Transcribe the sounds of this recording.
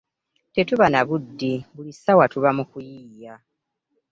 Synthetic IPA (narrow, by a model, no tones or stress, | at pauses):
te̞tuβanaβudːiβulisawatuβamukujiːja